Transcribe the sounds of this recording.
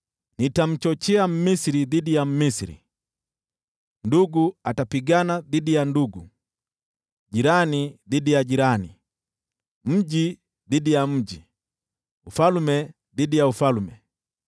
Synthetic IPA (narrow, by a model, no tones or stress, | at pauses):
nitam̩t͡ʃɔt͡ʃɛam̩misiɾiðidijam̩misiɾḭ | nduɡuatapiɡanadidijanduɡu | ɟiɾaniðidijaɟiɾani | m̩ɟi | ðidijam̩ɟi | ufalumɛ | d̪idijaufalumɛ